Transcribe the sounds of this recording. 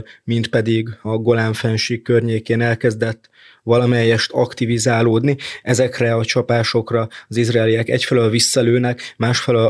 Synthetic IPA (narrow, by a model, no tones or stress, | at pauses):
mint̪̚pɛd̪iɡɒɡo̞laːɱfɛnʃiːkkːørɲeːkeːnɛlkɛzd̪ɛt̪ː | ʋɒlɒmɛjːɛʃt̪ʰɒ̰kt̪ivizaːloːd̪niɛzɛkrɛɒt͡ʃɒpaːʃo̞krɒɒzizraːliɛkɛ̰cfɛlølvisːɒløːnɛkmaːʃfɛløl